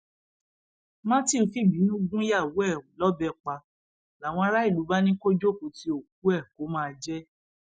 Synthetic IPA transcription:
mã˦ti˦˨fi˦˨bi˨˦nũ˦ɡũ˦ja˦˨wu˨˦ɛ˦˨lɔ˦bɛ˧˨k͡pa˧ | la˨w̃ɔ̃˧a˧ɾa˦i˦˨lu˨˦ba˦nĩ˦ko˦d͡ʒo˦˨ko˨˦ti˨˦o˦˨k̚u˨˦ɛ˦˨ko˨˦mãː˦˧d͡ʒɛ˦

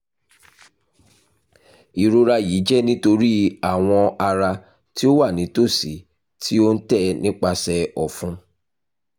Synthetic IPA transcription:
i˨ɾo˨˧ɾa˧ji˨˦d͡ʒɛ˦nĩ˦to˧ɾi˦a˦˨w̃ɔ̃˧a˧ɾa˧ | ti˦o˦wa˦˨nĩ˨˦to˦˨si˨˦ | tʰi˦o˦n̩˦tɛ˦˨nĩ˦k͡pa˧sɛ˧ɔ˨fũ˧˦

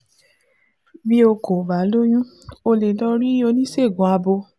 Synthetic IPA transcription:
bi˦o˧ko˨ba˨˦lo˦j̃ũ˦ | o˧le˨dɔ˧ɾi˦o˧nĩ˦se˦˨ɡũ˨a˧bo˧

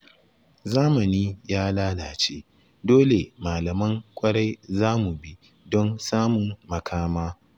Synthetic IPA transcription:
zaː˦mɐ˨niː˦jaː˦laː˦laː˨t͡ʃe˦ | doː˦le˨maː˨lɐ˨mɐ˦ŋkʷʼɐ˦ɽa˦jzaː˦mu˨bi˦ | dɔ˦nsaː˦mʊ˨ŋːɐ˨kʰaː˦maː˦

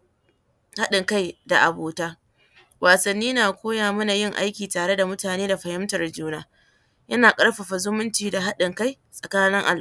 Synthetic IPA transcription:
ha˦ɗɪ˨ŋka˦jda˨ʔa˨boː˨taː˦ | wʔaː˨sɐ˨nːiː˦naː˨kʷoː˦jaː˨mʊ˦na˨jɪ˦˨ŋʔa̰˦jkʲiː˨taː˨ɽe˦da˨mʊ˦taː˨neː˦da˨ɸɐ˨hɪ˦mtɐ˨rd͡ʒuː˦naː˦ | jɐ˦naː˨kʼɐ˦ɽɸa˨ɸa˨zʊ˦mʊ˦nt͡ʃiː˨da˨ɦa˦ɗɪ˨ŋka˦˨j | sʼɐ˨kaː˦nɪ˦ŋʔa̰˨l

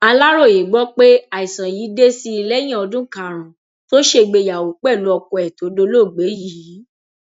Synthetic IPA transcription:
a˧la˦ɾo˦˨je˨ɡ͡bɔ˨˦k͡pe˦a˨i˨sã˨ji˨˦de˦si˦i˧lɛ˦j̃ĩ˦ɔ˧dũ˦kã˦˨ɾ̃ã˨ | to˦ʃe˧ɡ͡be˧˨ja˨wo˨k͡pɛ˦˨lu˨˦ɔ˧kɔ˧ɛ˨to˨˦do˦lo˦˨ɡ͡be˨˦jiː˨˦

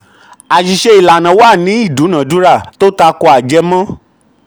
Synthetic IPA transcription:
a˨ʃi˨ʃe˧i˨la˨nã˨˦wa˦˨nĩ˨˦i˦˨du˨˦nã˨du˦ɾa˦˨to˦ta˧kɔ˧a˨d͡ʒɛ˧mã˦

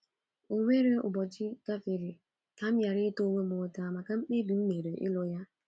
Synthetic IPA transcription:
o˨ŋʷe˦ɾe˦ʊ̰˨bɔ˨t͡ʃɪ˦ɡ̥a˦fɪ˨ɾɪ˨ | ka˦m̩˦ja˨ɾɪ˦to˦ŋʷe˦mʊ˨ta˨a˨ma˨ka˦m̩˦k͡pe˦bi˨m̩˦me˨ɾe˨ʔɪ̰˦lo˦ja˦

